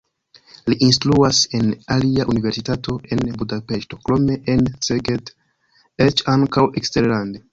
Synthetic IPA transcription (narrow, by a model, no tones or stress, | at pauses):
liʔinstluase̞naliaʔunive̞ɾsitatʰo̞e̞nbudape̞ʃto̞kɾo̞me̞ʔenseɡed | et͡ʃaŋkaweksteɾlande